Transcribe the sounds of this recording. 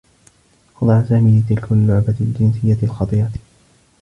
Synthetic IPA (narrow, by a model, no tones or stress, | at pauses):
xɑd̪ˤɑʕasaːmiːlɪt̪ɪlkʊlːʊʕbald͡ʒɪnsɪjːaɪlxɑt̪ˤiːɾɑ